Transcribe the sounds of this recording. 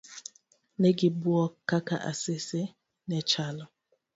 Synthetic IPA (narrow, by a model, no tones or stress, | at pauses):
neɡibuɔkakaʔa̰sɪse | nɛt͡ʃalɔ